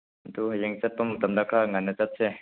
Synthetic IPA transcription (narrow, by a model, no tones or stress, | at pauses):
d̪ujəŋt͡sapamt̪amd̪akʰaŋanət͡sat̪̚t͡ɕʰɛ